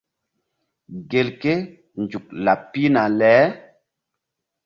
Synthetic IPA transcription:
ɡe˨lke˦ | nd͡ʒu˨k̚la˨pːi˦na˨lɛː˨˦

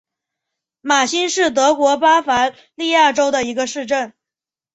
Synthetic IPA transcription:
ma˨˩ɕi˥nʂɻ̩˥˩t̪̬ɤ˧˥kwɔ˧˥pa˥fa˧˥ | li˥˧ja˥˩ʈ͡ʂo˥ʊd̪ə˨i˧˥ɡə˧ʂɻ̩˥˧ʈ͡ʂə˥˩n

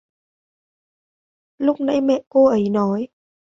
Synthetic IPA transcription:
lʊ˦˥k͡p̚na̰˧˥jmɛ̰˧˨ʔko˧ʔə˨˦jnɔ˨˦j

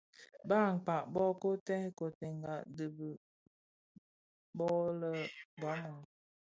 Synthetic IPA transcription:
baː˦˨ŋ̩˨k͡pa˨ʔbɔ˦ko˦tɛ˦hko˨te˨ŋɡa˨də˨bə˨ | bɔ˦lə˦ɡɔ˨˦mɔ˨ŋ

